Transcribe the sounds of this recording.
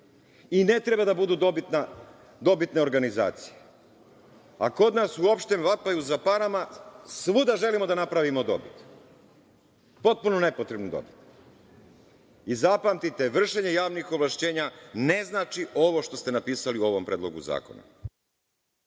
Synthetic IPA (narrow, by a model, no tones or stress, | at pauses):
ine̞t̪ɾe̞bad̪abud̪ud̪obit̪na | d̪o̞bit̪ne̞o̞ɾɡaniza̰ːt̪si̥je | ako̞d̪nasuo̞pʃt̪emʋapajuzapaɾamasʋud̪aʒe̞limo̞d̪anapɾaʋimod̪o̞̰bit̪ | po̞t̪̚puno̞ne̞pot̪ɾe̞bned̪o̰bit̪ne | izapamt̪it̪e̞ʋr̩ʃe̞ɲe̞jaːʋnixo̞bʋlˠaʃt͡ɕe̞ːɲane̞znaːt͡ʃiʔo̞ʋo̞ʃt̪o̞st̪e̞napiːsaliuo̞ʋompɾeːd̪lo̞̰ɡṵza̰ːko̞̰na̰